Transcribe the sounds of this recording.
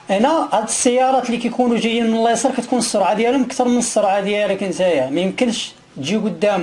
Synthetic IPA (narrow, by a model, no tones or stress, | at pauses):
ʔænæʕæd̪əsːəjːɑɾˤɑt̪likæjkunuʒæjːənmənəlːejsˤəɾˤkæt̪kunəsˤːoɾʕad̪jælæməkt̪ɑɾˤmənəsˤːoɾˤʕad̪jælækænt̪æjæmæjəmkənʃ | ʒiɡʊd̪ːæm